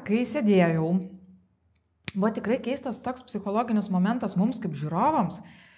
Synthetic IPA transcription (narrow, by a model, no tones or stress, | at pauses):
kɐɪsʲed̪ʲeːjɛʊ | bʊɐt̪ʲɪkɾɐɪkʲɛɪst̪ɐst̪oːkspʲsʲɪxoːlˠoːɡʲɪnʲɪsmoːmʲɛnt̪ɐsmʊmskɐɪpʒʲuːɾoːʋoms